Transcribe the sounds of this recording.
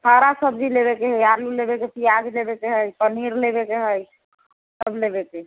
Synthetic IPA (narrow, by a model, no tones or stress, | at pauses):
t̪ʰəɾasəbd͡ʒilebekeɦəjaɾlulebekepijad͡ʒlebekeɦəjpəniɾlebekeɦəj | səblebeke